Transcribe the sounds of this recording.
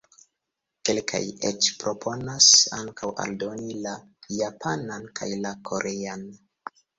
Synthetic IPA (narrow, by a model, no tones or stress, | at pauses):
ke̞lkʰa̰jet͡ʃpɾo̞pʰo̞nasa̰ŋkʰawa̰ldo̞nilajapʰanankʰa̰jlakʰo̞ɾʔe̞an